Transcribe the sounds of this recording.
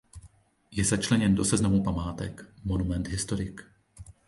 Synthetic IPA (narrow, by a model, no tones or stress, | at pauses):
jɛzat͡ʃlɛɲɛndosɛznamupamaːt̪ɛkmonumɛnd̪ɦɪst̪oɾɪk